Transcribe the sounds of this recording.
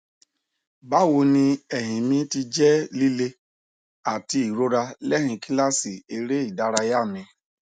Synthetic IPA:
ba˦wo˧nĩ˧ɛ˨ɦĩ˨mĩ˧ti˧d͡ʒɛ˦li˦le˧ | a˨ti˧˦i˨ɾo˦ɾa˧lɛ˦hĩ˧ki˦la˦si˨e˧ɾe˦i˦˨da˦ɾa˧ja˦˨mĩ˧

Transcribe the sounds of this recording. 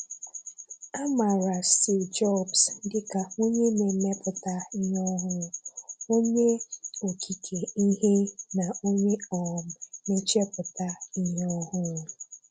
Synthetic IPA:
a˦ma˨ɾa˨si˨d͡ʒɔ˦˨bsdɪ˦ka˨o˦ɲe˦me˨me˦pʊ˨ta˦i˦ɦɔ˦ɦʊ˦o˦ɲe˦o˨kʰi˨kʰe˨i˦ɦe˦na˨o˦ɲe˦ɔ˨m̩˨me˦t͡ʃe˦pʊ˨ta˦i˦ɦe˦ɔ˦ɦʊ˦˨

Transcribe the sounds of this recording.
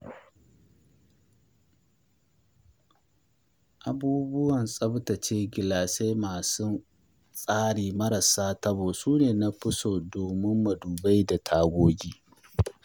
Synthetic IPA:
ʔa˨buː˦bʊ˦wɐ˨nsʼɐ˦btɐ˨t͡ʃeː˦ɡʲɪ˨laː˨sa˦jmaː˨sʊ˦ | sʼaː˦ɽiː˨mɐ˦ɾɐ˨saː˦tɐ˦boː˨suː˦neː˨na˦ɸɪ˦soː˨doː˨mɪ˦mːɐ˨duː˨ba˦jda˨tʰaː˨ɡʷoː˦ɡʲiː˦

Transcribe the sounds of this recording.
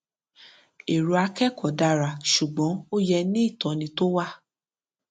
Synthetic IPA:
e˨ɾu˨a˧kɛ˦˨kɔ˨da˨˧ɾa˨ʃu˨ɡ͡bɔ̃˨˦o˦jɛ˧nĩ˦i˦˨tɔ˨nĩ˧to˦wa˦

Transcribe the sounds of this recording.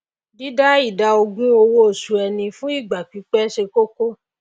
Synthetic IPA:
di˦da˦i˦˨da˧o˧ɡũ˦o˧wo˦o˦˨su˨˧ɛ˧nĩ˧fũ˦i˦˨ɡ͡ba˨k͡pi˨˦k͡pɛ˦ʃe˧ko˦ko˦

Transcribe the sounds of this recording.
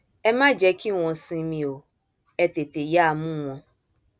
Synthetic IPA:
ɛ˦mã˦d͡ʒɛ˨˦ki˦w̃ɔ̃˧sĩ˧mĩ˨o˨ | ɛ˨te˨te˨ja˦˨mũ˦w̃ɔ̃˧

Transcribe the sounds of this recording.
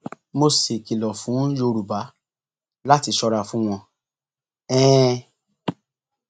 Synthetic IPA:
mo˧si˨ki˨lɔ˨fũ˨˦jo˧ɾu˨ba˨˦ | la˦ti˧ʃɔ˧ɾa˧fũ˦w̃ɔ̃˧ | ɛ̃ː˦

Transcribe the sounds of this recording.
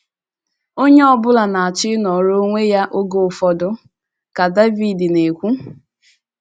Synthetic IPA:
o˦ɲe˦ɔ˦bʊ˦la˨na˨a˨t͡ʃɪ˦nɔ˨ɾo˦ŋʷe˦ja˦ʔo˦ɡo˨ʊ˨fɔ˦dʊ˦ | ka˨da˦vi˨di˨ne˨kʷu˦

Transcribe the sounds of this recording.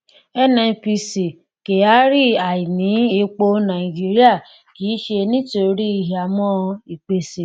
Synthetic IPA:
ɛ˦nɛ̃˧˨pi˧si˨ | ke˨a˦ɾi˦˨a˨i˨nĩ˨˦e˧k͡po˧nã˨i˨d͡ʒi˦ɾi˦a˦˨ | kiː˨˦ʃe˧nĩ˦to˧ɾi˦i˧˨ɦa˨mɔ̃˦i˨k͡pe˧si˨

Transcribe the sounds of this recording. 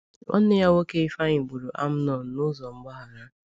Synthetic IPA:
ɔ̰˦n˦e˦ja˦wo˦ke˦i˦fa˦ɲi˨ɡ͡bu˨ɾu˨ʔa˦m̩˦nɔ˨n̩˦nʊ˦zɔ˨m̩˦ɡ͡ba˦ɦa˨ɾa˦

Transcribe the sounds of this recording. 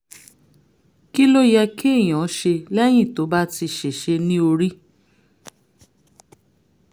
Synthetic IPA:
ki˦lo˦jɛ˧ki˦e˦˨j̃ã˨˦ʃe˧lɛ˦j̃ĩ˦˨to˨˦ba˦ti˧ʃe˨ʃe˧nĩ˦o˧ɾi˦

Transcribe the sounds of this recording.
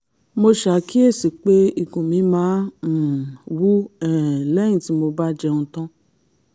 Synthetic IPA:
mo˧ʃa˨ki˦e˦˨si˨k͡pe˦i˨kũ˨mĩ˨˦mãː˨˦˨ | wu˦ɛ˨lɛ̃˦ĩ˨ti˨˦mo˧ba˦d͡ʒɛ˧ũ˧tɔ̃˦

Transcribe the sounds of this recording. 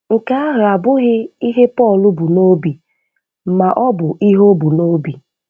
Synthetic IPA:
ŋ̩˨ka˦a˦ɦa˨bʊ˦ɣɪ˦i˦ɦe˦pɔː˦˨lʊ˦bu˨no˦bi˨˦ | ma˨ʔɔ˦bʊ˨ʔi˦ɦo˦bu˨no˦bi˨

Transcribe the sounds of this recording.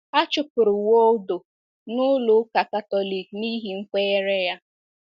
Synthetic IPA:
a˦t͡ʃʊ˨pʊ˨ɾʊ˨wo˦do˨ | nʊ˦lʊ˦ka˨ka˨tɔ˦li˨kni˦ɦi˨ŋ͡m̩˦ke˦e˦ɾe˦ja˦

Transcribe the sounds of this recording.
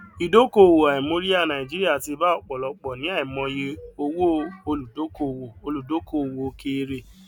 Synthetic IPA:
i˨do˦ko˦˨wo˨a˨i˨mo˦ɾi˦a˦˨nã˨i˨d͡ʒi˦ɾi˦a˦˨ti˧˦ba˦ɔ˦˨k͡pɔ˨lɔ˨˧k͡pɔ˨nĩ˨˦a˦˨i˨mɔ̃˧je˧o˧wo˦o˧lu˨do˨˦ko˦˨wo˨o˧lu˨do˨˦ko˨wo˨o˦ke˦˧ɾe˧

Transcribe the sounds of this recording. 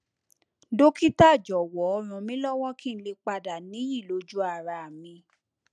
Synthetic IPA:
do˦ki˦ta˦˨d͡ʒɔ˨wɔ˨˦ɔ˧ɾ̃ũ˨mĩ˦lɔ˦w̃ɔ̃˦kĩ˦n̩˦le˧k͡pa˧da˨nĩ˨˦ji˦˨lo˨˦d͡ʒu˦a˦˨ɾa˨mĩ˧

